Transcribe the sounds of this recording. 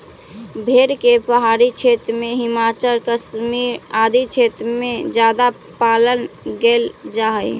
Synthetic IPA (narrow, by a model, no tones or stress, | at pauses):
bʱeɽkepəɦaːɾit͡ʃʰet̪ɾmẽɦɪmaːt͡ʃəlkəsmiɾaːd̪it͡ʃʰet̪ɾmẽd͡ʒjaːd̪a | paːlənɡeld͡ʒaɦəj